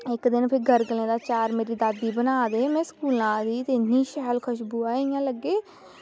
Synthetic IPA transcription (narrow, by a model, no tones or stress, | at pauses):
ɪkd̪ɪnpʰɪɾɡəɾɡəlẽːd̪aːt͡ʃaːɾmeːɾiːd̪aːd̪ːiːbənaːd̪eːmɛ̃ːsə̥kuːlãːd̪iːt̪eːniːʃɛːɦlkʰəʃ̬buːaːɪjãːləɡːeː